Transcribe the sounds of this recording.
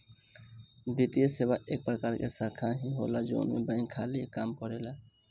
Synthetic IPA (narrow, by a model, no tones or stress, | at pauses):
bit̪ijeseːwaʔeːk̚pɾəkaːɾkesaːkʰaɦiɦo̰ːlad͡ʒo̰ːnmḛ̃bə̃ɪ̃ŋkʰaːlikaːmkəɾeːla